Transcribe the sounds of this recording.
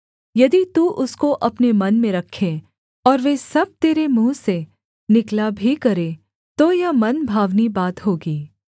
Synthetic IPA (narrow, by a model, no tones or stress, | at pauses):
jɐd̪it̪uːʔʊskoʔɐpnemɐnmẽɾɐkʰːe | ɔːɾʋeːsɐb̚t̪eːɾemũːse | nɪklabʱikɐɾe | t̪ojamɐnbʱaːʋnibaːt̪ɦoːɡiː